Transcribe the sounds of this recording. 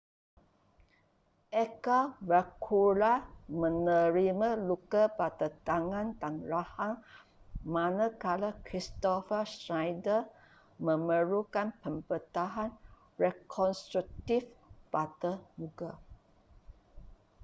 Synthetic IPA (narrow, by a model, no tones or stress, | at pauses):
ʔɛkavəkʰulamə̃nəɾimãlukapat̪ət̪aŋãnt̪aŋɹahaŋ | mãnakalakɾist̪ɔfəsnajdə | mə̃məɾukanpəmbət̪aɦan | ɹɛkʰɔnst̪ɾuk̚t̪ifpat̪əmuɡa